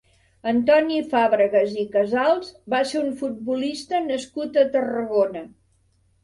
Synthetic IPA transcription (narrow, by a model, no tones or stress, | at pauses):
ənt̪ɔnifaβɾəɣəzikəzalˠzbaseɾuɱfut̪̚bulist̪ənəskut̪ət̪ərəɣonə